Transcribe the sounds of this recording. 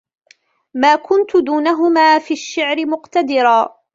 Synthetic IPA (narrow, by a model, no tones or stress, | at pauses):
maːkʊnt̪ʊd̪uːnaɦʊmaːfiːaʃːɪʕɾɪmʊqt̪ad̪ɪɾˤaː